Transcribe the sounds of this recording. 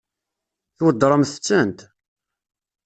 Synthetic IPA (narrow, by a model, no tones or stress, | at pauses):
θwəd̪ːɾˤəmθə̥t͡sːənt̪